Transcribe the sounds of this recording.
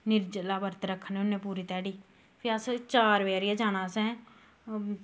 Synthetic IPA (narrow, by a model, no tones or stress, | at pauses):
nɪɾd͡ʒlaːbəɾt̪ɾəkʰːənʊnːẽːpuːɾiːt̪ɛːɽiː | pʰɪast͡ʃaːɾʋeːɾɪjaːd͡ʒaːñãːsɛ̃ː